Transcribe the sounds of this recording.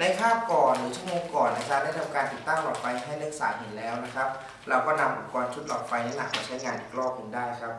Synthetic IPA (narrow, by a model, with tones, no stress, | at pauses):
na˧jkʰaː˥˩kɔː˨˩nɾɯː˩˦t͡ɕʰu˥˩əmoː˧ŋkɔː˨˩na˦˧˥sʰa˦˥da˥˩jt̪ʰa˧mkaː˧nt̪i˨˩t̪ːa˥˩ŋʔɔː˨˩k̚pa˧jɦa˥˩jlɯ˦˥k̚sa̰ː˩˦ɦe˩˦nlɛː˦˥wna˦˥kʰa˦˥p̚ | ɾa˧wkɔː˥˩na˧mʔu˨˧˩kɔː˧nt͡ɕʰu˦˥t̪̚ʔɔː˨˩k̚pa˧jlɛː˦˥na˨˩k̚ma˧t͡ɕʰa˦˥jŋaː˧nʔiː˨˩k̚lɔː˥˩k̚kɯ˧ndaː˥˩jkʰa˦˥p̚